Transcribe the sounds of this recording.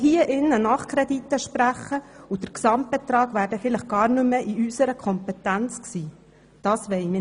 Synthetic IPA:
hiəʔɪnːənɑχkʰɾɛd̪it̪ːəʃpɾæχəud̥əɾksɑmt̚b̥ɛt̪ɾɑːɡʋæːɾdəfɪləχɡ̥ɑːɾnʉmːəʔiysəɾəkʰɔmpɛt̪ænt͡sksiː | d̥ɑːsʋɛɪmɪ

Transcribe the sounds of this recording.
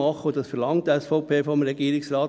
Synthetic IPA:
ɑχːəodɑsfɛɾlɑŋtəɛsfoʊpʰeːfɔmɾɛɡiːɾɪksɾɑːt

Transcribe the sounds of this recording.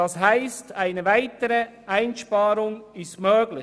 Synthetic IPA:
ɑshaɪstaɪnəvaɪtəɾəʔaɪnʃpɑːɾʊŋɪstmøːɡlɪ

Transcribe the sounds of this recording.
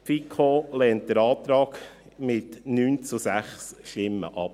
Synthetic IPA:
fikʰolɛːnt̚d̥əɾɑːt̪ɾɑːɡ | mɪtnyːnt͡sʊsæχsʃtɪmːə̰ʔɑp

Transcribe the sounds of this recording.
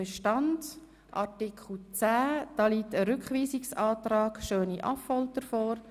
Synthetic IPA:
ɛʃtɑnd | ʔɑtɪkʰl̩t͡sæːd̥ɑːliːtəɾʏkχʋiːsɪksɑːtrɑːɡ̥ʃøːniʔɑ̰fald̥əɾfoːɾ

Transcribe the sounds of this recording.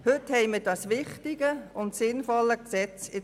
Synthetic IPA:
hʏthɛɪmɪːdɑsʋɪχtɪɡəʊntsɪnfɔləksɛt͡sɪ

